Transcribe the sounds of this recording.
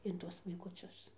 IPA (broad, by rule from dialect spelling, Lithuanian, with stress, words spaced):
ɪn ˈtuɔs ʋɐɪkʊˈt͡sʲʊs